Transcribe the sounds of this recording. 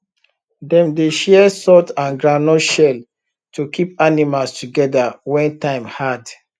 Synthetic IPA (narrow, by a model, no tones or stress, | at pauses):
dɛ̃mdeʃɛsɔtãnɡɹanɔʃɛl | tʰukʰipanimalstuɡɛdawɛ̃ntãɪ̃mhad